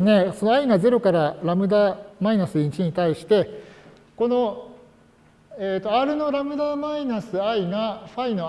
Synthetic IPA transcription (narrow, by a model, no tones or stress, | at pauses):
ne̞so̞noaiŋaze̞ɾo̞kaɾaɾamɯ̟d̪aːmainasɨit͡ɕiɲ̟it̪aiɕi̥t̪e̞ | ko̞no̞ | et̪ːo̞aɾɯ̟no̞ɾamɯ̟d̪amainasɨaiŋaɸaino̞